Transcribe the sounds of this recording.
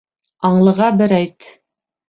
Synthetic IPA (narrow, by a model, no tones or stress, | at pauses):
ɑɴlˠɤ̆ʁɑbɘ̆ɾæjt̪